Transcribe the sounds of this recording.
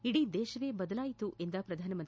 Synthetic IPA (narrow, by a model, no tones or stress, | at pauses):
iɽiːd̪ɛːʃɐʋeːbɐd̪ɐlaːjit̪uʔend̪ɐpɾɐd̪ʱaːnɐmɐnt̪